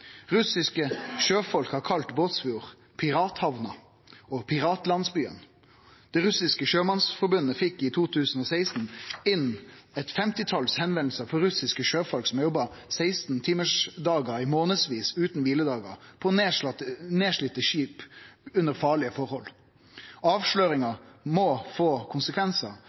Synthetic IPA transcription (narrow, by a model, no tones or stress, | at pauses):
ʁʉsɪskəʃøːfɔlkhɑʁkʰɑlt̪boːt̪sfɪuːʁ | pʰɪʁɑːt̪hɑʋnɑ | ɔpʰɪʁɑːt̪lɑnsbyːə̰n | d̪̥ɛʁʉsɪskəʃøːmɑnsfɔɾbʉnəfɪkːɪt̪ʰuːt̪ʰʉːsn̩ɔːsæɪst̪n̩ɪnɛt̪fɛmt̪ɪt̪ʰɑlshɛnʋɛnl̩səfɔɾʉsɪskəʃøːfɔlksɔmjɔbːɑ | sæɪst̪n̩t̪ʰɪməʂd̪ɑːɡɑɾɪmoːnəsʋiːsʉːt̪nʋiːləd̪ɑːɡɑ̰ʁpʰɔneneːʂɭɪt̪əʃiːpʉnəɾfɑːɭɪəfɔɾhɔl | ɑːʋʂløːɾɪŋɑmɔfoːkʰʊnsəkʰʋɛnsɑ